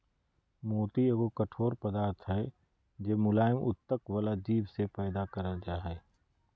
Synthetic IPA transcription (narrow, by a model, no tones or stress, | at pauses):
moːt̪ieɡokɐʈʰoːɾpɐd̪aːɾt̪ʰɦɛ | d͡ʒeːmʊlaːɪmʊ̰t̪ːəkwəlad͡ʒiːbsepɛːd̪akɐɾəld͡ʒaːɦɛː